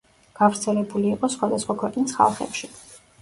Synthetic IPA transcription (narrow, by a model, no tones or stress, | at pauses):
ɡ̥avɾt̪sʰɛlɛbuliːqʼɔsχwad̪asχwakʰwɛqʼnisχa̰lˠχɛ̰pʃi